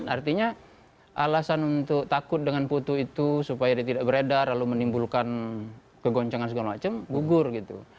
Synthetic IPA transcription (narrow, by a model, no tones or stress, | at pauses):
nart̪iɲa | ʔalasanunt̪ʊk̚t̪akʊt̪̚dəŋanpot̪uit̪usupajadiat̪idaʔbəɾedarlalumənimbulkan | kəɡɔɲt͡ʃaŋans̬əɡalamat͡ʃamɡuɡʊrɡit̪ṵ